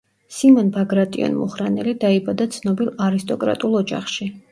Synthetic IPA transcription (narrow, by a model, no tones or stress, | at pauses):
simɔnbaɡɾat̪ʼḭɔ̰nmṵχɾanɛlid̪aibad̪at̪sʰnɔbilˠaɾist̪ʼɔkʼɾa̰t̪ʼulˠɔd͡ʒa̰χʃi